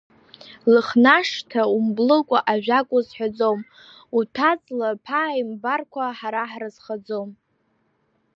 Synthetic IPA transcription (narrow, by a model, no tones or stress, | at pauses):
lɨχnaʂtʰaumblɨkʷʼaʔaʒʷᶣakʷʼʊzħad͡zom | utʰat͡sʼlapʰaːimbarkʷʰaħaɾaħrazχad͡zom